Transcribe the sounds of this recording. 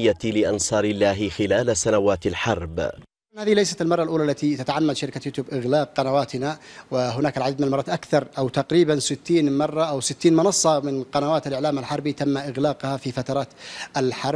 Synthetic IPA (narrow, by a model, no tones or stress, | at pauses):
jːalɪʔɑnsˤɑːɾɪlːaːɦɪxɪlaːlasanawaːt̪alħɑɾˤb | nhaːðɪhlajsat̪almɑrˤːɑlʔuːlaʔlːat̪it̪at̪aʕamːad̪ʃaɾɪkat̪jʊt̪uːbʔɪɣlaːq̚ːɑnawaːt̪ɪnawɪɦʊnaːkalʕadid̪mɪnalmɑrˤɑːt̪ʔakθɑɾˤʔawt̪ɑqɾiːbansɪt̪ːiːnmɑrˤːɑʔawsɪt̪ːiːnmʊnɑsˤːɑmɪnqɑnawaːt̪alʔɪʕlaːmalħɑɾˤbit̪amːaʔɪɣlaːqhafifat̪ɑɾˤɑːt̪ʔalħɑɾˤ